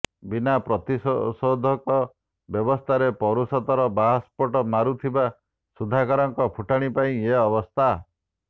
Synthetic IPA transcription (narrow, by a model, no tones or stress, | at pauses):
binapɾɔt̪isod̪ʱɔkɔ | bjɔbɔst̪ʰaɾepɔɾusɔt̪ɔɾɔbaɦspɔʈɔmaɾut̪ʰiba | sud̪ʱakaɾɔŋkɔpʰuʈaɽ̃ipaĩeɔbɔst̪ʰa